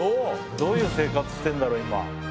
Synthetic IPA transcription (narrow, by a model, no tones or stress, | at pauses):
oː | d̪o̞ːjɯ̟ːse̞ːkat͡sɨ̥ɕi̥t̪ẽ̞nd̪aɾo̞ːima̰